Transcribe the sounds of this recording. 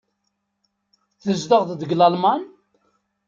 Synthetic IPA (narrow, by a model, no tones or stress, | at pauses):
θəzd̪əʁðd̪əɡlalman